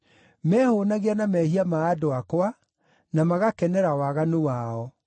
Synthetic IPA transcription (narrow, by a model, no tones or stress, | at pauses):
mɛːhonaɣeanamɛhiamaːdoakwa | namaɣakɛnɛɾawaɣanowaɔ